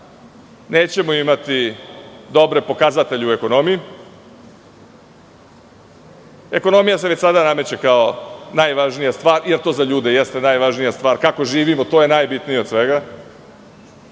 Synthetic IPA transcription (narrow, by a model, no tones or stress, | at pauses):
ne̞ːt͡ɕe̞moimat̪i | d̪o̞bɾe̞po̞kazat̪e̞ʎeue̞ko̞no̞miji | e̞ko̞no̞mijaseʋet͡ɕsad̪aname̞t͡ɕe̞kaonajʋaʒnijast̪ʋaːɾjeɾt̪o̞ːzaʎuːd̪e̞jest̪e̞najʋaʒnijast̪ʋaːɾkako̞ʒiːʋimo̞t̪o̞ːje̞najbit̪nijeosʋe̞ɡa